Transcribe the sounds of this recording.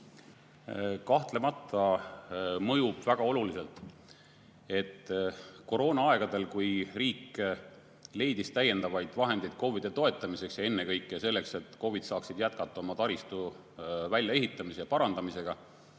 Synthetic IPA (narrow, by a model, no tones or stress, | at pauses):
kɑht̪le̞mɑt̪ʰːˑɑ | mɤjub̥væɡ̥ɑo̞lulise̞lt̪ˑ | e̞t̪ːˑko̞ɾo̞ːnɑɑe̞ɡ̥ɑd̪e̞lkujriːkː | le̞jd̪ist̪æje̞nd̪ɑvɑjd̪̥vɑɦe̞nd̪̥e̞jd̪̥̚ko̞vid̪̥e̞t̪o̞e̞t̪ˑːɑmise̞ksjɑe̞nːekɤjkːˑese̞lːe̞kse̞t̪ːˑko̞vid̪̥sɑːksid̪̥jæt̪̚kɑt̪ːˑɑo̞mɑt̪ɑɾist̪u | vælʲjɑe̞ɦit̪ˑːɑmisejɑpɑɾɑnd̪̥ɑmise̞ɡ̥ɑ